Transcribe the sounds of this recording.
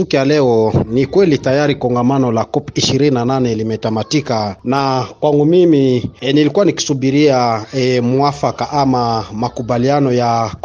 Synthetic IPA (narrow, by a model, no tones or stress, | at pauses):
ikjalɛɔnikwɛlitajaɾikɔŋɡamanɔlakɔpiʃiɾininananɛlimɛtamatikanakwaŋɡumiminilikuaniki̥subiɾiaɛmuafakaʔamamakubalianɔja